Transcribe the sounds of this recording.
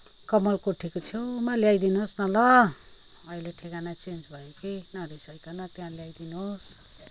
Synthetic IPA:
kʌmʌlkoʈʰikot͡sʰjomaljajd̪inɦosnʌlʌ | ʌileʈʰekanat͡sent͡sbʱʌjokinʌɾisʌjkanʌt̪jãljajd̪inuɦos

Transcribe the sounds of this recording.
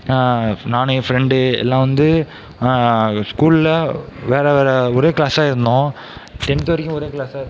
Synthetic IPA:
naːnefɾɛɳɖɯɛ̰lːãːʋɐnd̪ɯ | skuːɭɪlɐʋeːɾɐʋeːɾɛɔɾeːkɪɭaːsaːɪɾɯnd̪õ | t̪ɛnt̪ːʋɐɾɪkʲːʊ̃ɔɾeːkɪɭaːsaːɪɾ

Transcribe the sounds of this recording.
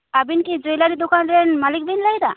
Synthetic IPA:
abinkid͡ʒojlaɾid̪ukanɾenmalik̚bʱinlajd̪a

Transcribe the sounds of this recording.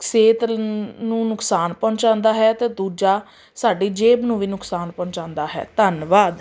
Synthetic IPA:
kseːt̪nũːnʊksaːnpɔ̃ːnt͡ʃãːnd̪aːɦɛːt̪eːd̪uːd͡ʒaː | saːɖiːd͡ʒeːbnũːʋiːnʊksaːnpɔ̃ːɲt͡ʃãːnd̪aːɦɛ̰ːt̪ənʋaːd̪

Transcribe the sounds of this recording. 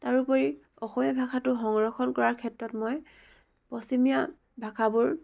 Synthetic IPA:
taɹupɔɹi | ɔxɔmijabʱakʰatʊxɔŋɹɔxɔnkɔɹaɹkʰɛtɹɔtmɔj | pɔsimija | bʱakʰabʊɹ

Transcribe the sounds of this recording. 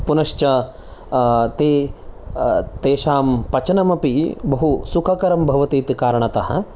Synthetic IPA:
punɐʃt͡ʃɐ | t̪eː | t̪eːʃaːmpɐt͡ʃɐnɐmɐpibɐɦusukʰɐkɐɾɐmbʱɐʋɐt̪iːt̪ikaːɾɐɳ̃ɐt̪ɐɦɐ̰

